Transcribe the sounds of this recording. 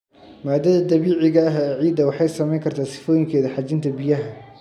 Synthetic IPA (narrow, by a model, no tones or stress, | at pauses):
maːd̪ɐðɐd̪ɐβiːʕɪɣɐːɦɛːʕiːd̪ɐwɑħɑjsɐmɛjŋkʰɐrt̪ʰaːsɪ̥fɔːjɪŋkʰɛːðɐħɑt͡ʃɪnt̪ʰɐbɪjɐɦɐ